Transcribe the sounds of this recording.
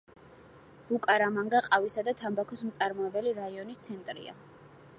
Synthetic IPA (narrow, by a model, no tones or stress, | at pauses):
b̥ukʼaɾamaŋɡaqʼavisad̪at̪ʰambakʰɔsmt̪sʼaɾmɔɛbɛliɾaiɔnist̪sʰɛnt̪ʼɾḭa̰